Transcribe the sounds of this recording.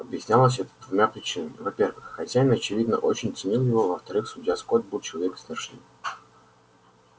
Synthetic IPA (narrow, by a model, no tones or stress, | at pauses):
ɐbjɪsʲnʲalˠəs̬ʲɛt̪əd̪vʊmʲapɾʲɪt͡ɕinəɪvɐpʲe̞rvɨxːɐtʲanʲɐt͡ɕɪvʲid̪nə̰ʔo̞̰t͡ɕɪnʲt̪sɨnʲilˠjɪvo̞vəft̪ɐɾɨxsʊdʲjaskod̪̚bɨlˠt͡ɕɪlˠɐvʲeksvʲɪrʂnɨ̰